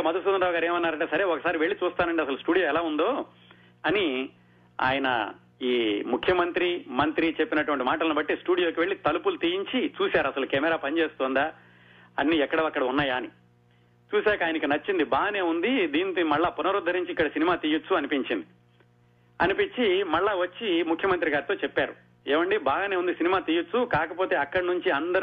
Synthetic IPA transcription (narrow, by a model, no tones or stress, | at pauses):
mɐd̪ɐsuɐnɾaːuɡaːɾeːmɐnːaːɾɐɳʈesɐɾe̞ːɔkɐsaːɾiʋe̞ɭːit͡ʃuːst̪aːnɐɳɖiɐsɐlusʈuːɽijoːɛlaːund̪o̞ː | ɐni | a̰ːjɐnɐ̰ | iːmukʰjɐmɐnt̪ɾimɐnt̪ɾit͡ʃe̞pːinɐʈuʋɐɳʈimaːʈɐlɐnubɐʈːisʈuːɽijoːkiʋe̞ɭːit̪ɐlupulut̪ijiɲt͡ʃit͡ʃuːsaːɾɐsɐlukɛmɛɾaːpɐnit͡ʃeːst̪ɔːnd̪aː | ɐnːiːɛkːɐɽɐɐkːɐɽɐunːaːjaːni | t͡ʃuːsaːkɐaːjɐnɐkinɐt͡ʃːind̪ibaːɡɐne̞ːund̪id̪iːnit̪mɐɭːaːpunɐɾud̪ʱːɐɾiɲt͡ʃikːɐɽɐsinimaːt̪iːjot͡sːuɐnipiɲt͡ʃind̪i | ɐ̰nipiɲt͡ʃːimɐɭːaːʋɐt͡ʃːimukʰjɐmɐnt̪ɾiɡaːɾit̪o̞ːt͡ʃepːaːɾu | eːʋɐɳɖibaːɡɐne̞ːund̪isinimaːt̪iːjot͡sːukaːkɐpo̞ːt̪e̞ːɐkːɐɽɐnuɲt͡ʃiɐnd̪ɐɾ